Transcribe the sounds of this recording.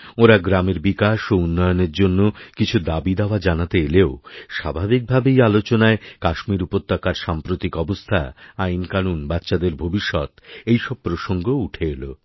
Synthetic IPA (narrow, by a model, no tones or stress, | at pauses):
oɾaɡɾameɾbikaʃounːɔjoneɾd͡ʑonːokit͡ɕʰud̪abid̪eoad͡ʑanat̪eeleoʃa̰bʱabik̚bʱabejalot͡ɕonaekaʃmiɾupot̪ːakaɾʃampɾot̪ikɔbost̪ʰa̰ajnkanunbatːɕad̪eɾbʱobiʃːɔ̰t̪ejʃɔb̚pɾoʃoŋɡouʈʰeelo